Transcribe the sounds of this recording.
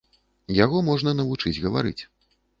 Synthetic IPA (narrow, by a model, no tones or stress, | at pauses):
jaɣɔmɔʐnɐnɐvut͡ʂɨd͡zʲɣɐva̰ɾɨ̰t͡sʲ